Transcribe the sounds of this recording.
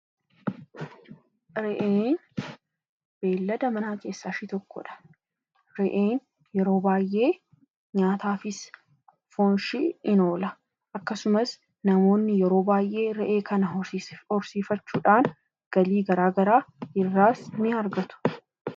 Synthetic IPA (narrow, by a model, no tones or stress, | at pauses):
ɾɛʔeːn | b̥e̞ːlːɐd̪ɐmɐnaːke̞ːsːaːʃɪt̪ɔkːɔ̰ᶑɐ̥ | ɾɛʔeːn | jɛɾo̞ːbaːjʔe̞ː | ɲaːt̪aːfɪs | fɔnʃɪɪno̞ːlɐ | ʔɐkːɐsʊmɐs | nɐmo̞ːnːɪjɛɾo̞ːbaːjʔe̞ːɾɛʔe̞ːkʰɐnɐhɔɾsiːfɐt͡ʃːuːᶑaːn | ɡ̥ɐliːɡɐɾaːɡɐɾaːɪrːaːsnɪɐɾɡɐt̪ʊ̥